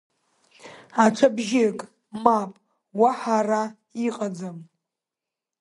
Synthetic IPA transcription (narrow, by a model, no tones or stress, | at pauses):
aʈ͡ʂʷʰabʒikʼ | mapʼ | waħara | iqʼad͡zam